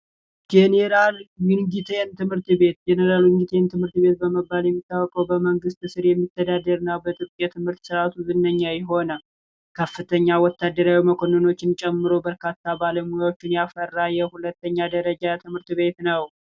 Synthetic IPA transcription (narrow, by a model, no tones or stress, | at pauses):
d͡ʒeneɾalwɪnɡit̪ʰent̪ʰɨmhɨɾt̪be̞t̪̚d͡ʒeneɾalwɪŋɡit̪ʰent̪ʰɨmhɨɾt̪be̞t̪̚bəməbːaljɛmːit̪ːawɔkʼəwbəməŋɡɨst̪ɨsɨɾjɛmːit̪ʰːəd̪ad̪əɾɨnːawbət̪ʼɨɾkʼjɛt̪ʰɨmhɨɾt̪sɨɾat̪ʰuzɨnːəɲːajɛɦo̞nə | kʰəfːɨt̪ʰəɲːawɔt̪ːad̪ːəɾawiməkʰo̞nəno̞t͡ʃːɪnt͡ʃʼɛmːɨɾo̞bəɾkat̪ːabaləmujawo̞t͡ʃːɪnjafərːajɛhulət̪ːəɲːad̪əɾəd͡ʒat̪ʰɨmhɨɾt̪βe̞t̪nəw